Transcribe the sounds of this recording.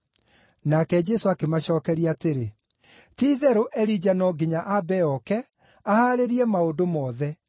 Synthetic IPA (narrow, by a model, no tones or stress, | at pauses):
nakɛd͡ʒɛsoakemaɕɔːkɛɾiateɾe | tiðɛɾoʔɛɾid͡ʑanɔɡiɲaʔabɛɔkɛ | ahaɾeɾiɛmaodomɔːðɛ